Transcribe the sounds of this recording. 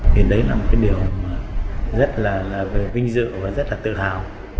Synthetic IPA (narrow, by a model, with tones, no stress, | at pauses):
t̪ʰi˨˩ɗə˨˦jlaː˨˩mo˨˩t̚kaː˨˦ɗi˨˩əwmaː˨˩zə˦˥t̚laː˨˩laː˨˩ve˨˩vï˧ŋ̟zɨ̰˧˨vaː˨˩zə˦˥t̚laː˨˩t̪ɨ̰˧˨haː˨˩w